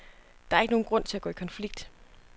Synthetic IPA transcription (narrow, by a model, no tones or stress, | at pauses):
d̥ɑ̈ɐeɡəno̝ːn̩ɡ̥ʁɔ̽n̰t͡sʰe̝læɡ̥ɔ̰ːikʰɒ̽nfliɡ̥̚d̥